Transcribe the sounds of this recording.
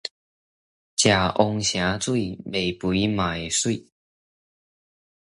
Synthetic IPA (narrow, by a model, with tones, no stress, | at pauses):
t͡ɕja˨˩ʔo˧ŋɕja˧˥t͡swe˥˩ɪme˨˩ɪpu˧˥˦i˦ma˨˩ɪswe˥˩ɪ